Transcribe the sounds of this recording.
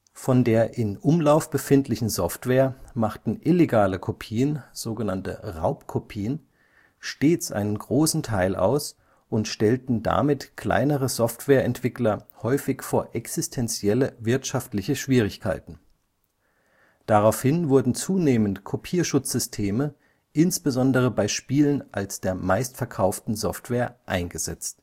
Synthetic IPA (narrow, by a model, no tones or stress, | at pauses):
fɔndeːɐʔɪnʔʊmlaʊfb̥əfɪntʰlɪçn̩zɔftv̥eːɐmaχtn̩ʔɪleɡaːləkʰopʰiːənz̥oːɡənantə̰ʁa̰ʊpkʰopʰiːən | ʃteːt͡sʔa̰ɪnənɡʁoːsn̩tʰaɪlʔa̰ʊs | ʔʊntʃtɛltn̩da̰mɪtkʰl̥a̰ɪnəʁəzɔftv̥eːɐʔɛntv̥ɪklɐhɔʏfɪçfoːɐʔɛksɪstʰɛnt͡sjɛləvɪɐtʃaftlɪçəʃv̥iːʁ̞ɪçkʰa̰ɪtn̩ | d̥aʁaʊfhɪnvʊɐdn̩t͡suːneːməntkʰopʰiːɐʃʊt͡sz̥ʏstʰeːmə | ʔɪnsb̥əzɔndəʁ̞əbaɪʃpiːlənʔa̰lsd̥eːɐmaɪstfɛɐkʰaʊftn̩zɔftv̥eːɐʔa̰ɪnɡəzɛ̰t͡st